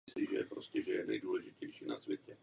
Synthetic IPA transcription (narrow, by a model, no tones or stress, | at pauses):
sliʒɛ̰jɛ̰pɾoscɛʒɛjɛnɛ̰jduːlɛʒɪcɛjʃiːnasvjɛcɛ